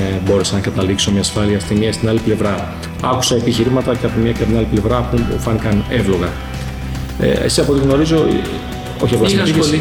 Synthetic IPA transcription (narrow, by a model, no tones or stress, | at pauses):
bo̞ɾe̞senɐkɐt̪ɐlikso̞mɲɐːsfɐliɐst̪imiɐst̪inɐliple̞vɾɐ | ɐku̥sɐepiçiɾimɐt̪ɐceɐpomɲɐceɐt̪inɐliple̞vɾɐpupufɐnikɐne̞vloɣɐ | ḛḛsisɐpoiiɣno̞ɾizo̞ | o̞çiɐɣoɐsi